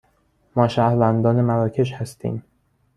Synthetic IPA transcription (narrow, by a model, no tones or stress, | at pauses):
mɒːʃæhvænd̪ɒːnemæɾɒːcʰe̞ʃhæst̪ʰḭːm